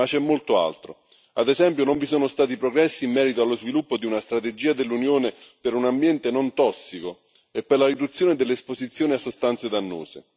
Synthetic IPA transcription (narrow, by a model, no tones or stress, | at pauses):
at͡ʃːɛmːolt̪oa̰lt̪ɾo̰ | ad̪ezɛmpjonoɱvisoːnost̪aːt̪ipɾoɡɾɛsːiːmːɛːɾit̪oalːozvilupːod̪iunast̪ɾat̪ed͡ʒiːad̪elːunjoːnepeɾunambjɛnt̪enont̪ɔsːiko | epːerlaɾid̪ut̪sjoːned̪elːeːspozit̪sːjoːniasːost̪ant̪sed̪anːo̰ːse